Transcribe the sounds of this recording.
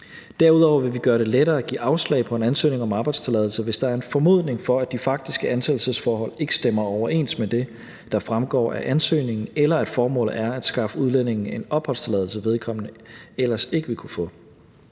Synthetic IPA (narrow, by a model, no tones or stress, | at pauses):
d̥æɐ̰uð̞ˠɒʊɐʋe̝ʋiɡ̥ɶːɐɾ̥e̝leɾɐːæɡ̥ḭːʔɑ̈ʊslɛ̰ɪpʰɒ̽e̝nænsø̰ːne̝ŋɒ̽mɑ̈ːb̥ɑ̈ɪd̥st͡sʰe̝lɛðˠl̩səʋe̝sd̥ɑ̈æɐe̝nfɒ̽mo̝ð̰ˠne̝ŋfɒ̽æd̥ifɑ̈ɡ̥̚d̥isɡ̥əænsʰel̩səsfɒːɦɒ̽l̰e̝ɡ̥ə̥sd̥emɐɒʊɐʔe̝̰ːnsd̥med̥e̝ | d̥ɑ̈fʁamɡ̥ɒ̰ːæ̰ʔænsø̰ːne̝ŋn̩elɐæd̥fɒːmɔ̰̽ːlð̩ˠæɐæd̥sɡ̥ɑ̈fəuð̞ˠlen̰e̝ŋn̩e̝nɒ̽b̥hɒ̽l̰st͡sʰe̝lɛðˠl̩s̬əʋe̝ð̞ˠkʰɒ̽m̰nəelɐse̝ɡ̥əʋikʰufɔ̰̽